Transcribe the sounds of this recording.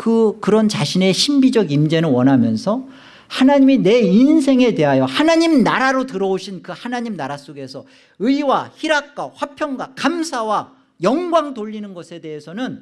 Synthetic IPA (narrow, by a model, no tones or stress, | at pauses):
kɯkɯɾʌnt͡ɕaɕʰine̞ɕʰimbid͡ʑʌɡimd͡ʑe̞nɯɭwʌnɦamjʌnsʰʌ | hanaɲimine̞ins̬ʰe̞ŋe̞te̞ɦajohanaɲimnaɾaɾotɯɾʌoɕʰinkɯhanaɲimnaɾas͈oɡe̞sʰʌ | ɯiwaçiɾak̚k͈waɸwapʰjʌŋɡwakamsʰawa | jʌŋɡwaŋtoʎːinɯnɡʌsʰe̞de̞ɦesʰʌnɯn